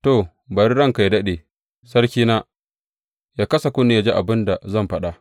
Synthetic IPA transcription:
to˨ | bɐ˨ɾi˦ɽɐ˦ŋka˨jdɐ˦ɗeː˨ | sɐ˦ɾkʲiː˦naː˦ | jaː˦kɐ˦sa˨kʷʊ˦ni˦ja˦d͡ʒe˦ʔa˨bɪ˦nda˨zɐ˦mɸɐ˦ɗa˨ʔ

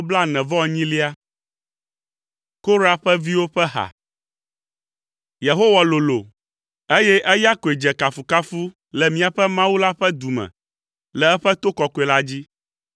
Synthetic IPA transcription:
bla˦nɛ̃˨vɔ̃˦˨ɲĩ˦li˦a˦ | ko˦ɾa˨ɸɛ˦vi˦wo˦ɸɛ˦ɦa̰˨ | je˨ɦo˦wa˨lo˨lo˨ | e˦jɛ˦ʔɛ˦ja˦ko˨e˨d͡ʒɛ˨ka˨fu˨ka˦fu˦ | lɛ˨mĩ˦a˨ɸɛ˦mã˦wu˦la˦ɸɛ˦d̪u˨mɛ̰̃˨ | lɛ˨ɛ˦ɸɛ˦t̪o˦kɔ˨ko˨e˨la˦d͡ʑi˦

